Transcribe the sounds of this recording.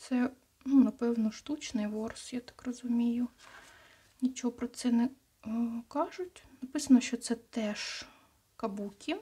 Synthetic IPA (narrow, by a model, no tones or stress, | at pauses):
t̪sɛ | nunɐpɛwnɔʃt̪ut͡ʃnɪjʋɔrsjat̪ɑ̥krɔzʊmʲijʊ | nʲit͡ʃɔɦɔpɾɔt̪sɛnɛ | kɑʒʊtʲnɐpɪsɐnɔʃt͡ʃɔt̪sɛt̪ɛʃ | kɐbukʲi